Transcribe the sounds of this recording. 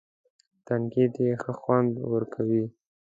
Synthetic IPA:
t̪aŋkid̪jexəxwand̪wəɾkʰawi

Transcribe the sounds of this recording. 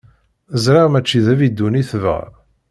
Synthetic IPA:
əzɾiʁmæt͡ʃːiðævid̪ːuniθvə̰

